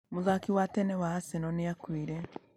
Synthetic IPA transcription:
muzakiwatenewaasenonijakwiːɾe

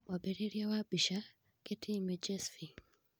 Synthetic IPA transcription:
wabɛɾiɾiawabiʃa | ketʰimɛd͡ʒɛsfi

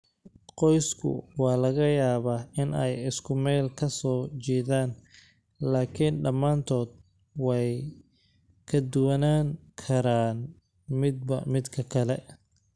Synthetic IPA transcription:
qɔjskʰʊ̰wɑːlɐɣɐjaːβaːɪnɛjɪskʰʊmɛːlkʰɐsɔːt͡ʃɛːðaːn | laːkʰiːnɖɐmːaːnt̪ʰɔːd̪̚ | wɛj | kʰɐd̪ʊwɐnaːŋkʰɐɾaːn | mɪd̪̚bɐ̰mɪd̪kʰɐkʰɐlɛ

